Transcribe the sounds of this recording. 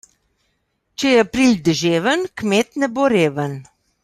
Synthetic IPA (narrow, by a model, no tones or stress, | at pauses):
t͡ʃɛjɛapɾild̪əʒeːʋənkmet̪nɛboɾeːʋən